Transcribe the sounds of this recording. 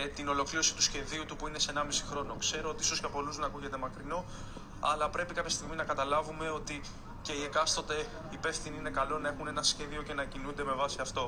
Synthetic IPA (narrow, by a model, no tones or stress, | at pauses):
t̪ino̞lo̞kliɾo̞si̥t̪usçe̞ðiut̪upuine̞se̞nɐmisi̥xɾo̞no̞kse̞ɾo̞o̞t̪iiso̞scɐpo̞luzðenɐkuʝe̞t̪e̞mɐkɾino̞ | ɐlɐpɾe̞pikɐp̪çɐst̪iɣminɐkɐt̪ɐlɐvume̞o̞t̪i | ce̞ie̞kɐst̪ot̪e̞ | ipe̞fθiniine̞kɐlo̞nɐe̞xune̞nɐsçe̞ðio̞ce̞nɐcinund̪e̞mevɐsiɐft̪o̞